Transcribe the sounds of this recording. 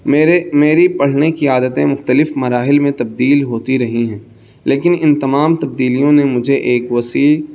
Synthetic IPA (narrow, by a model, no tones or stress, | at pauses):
meɾemeːɾipɐɽ̤nekiaːd̪ət̪ẽmʊxt̪əlɪfmɐɾaːɦɪlmẽt̪ɐb̚d̪iːlɦoːt̪iɾɐɦiɦɛ̃ː | leːkɪnɪnt̪ɐmaːmt̪ɐb̚d̪iːlijõnemʊd͡ʒʱeʔeːkʋɐsiːl